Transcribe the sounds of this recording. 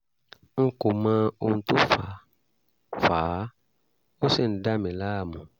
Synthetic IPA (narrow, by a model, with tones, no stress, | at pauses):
ŋ̩˦ko˨mãː˦o˧ũ˧to˦fa˨ | faː˨˦ | o˦sɛ˦˨n̩˨da˦mɛ̃˨la˦a˦˨mɔ̃˨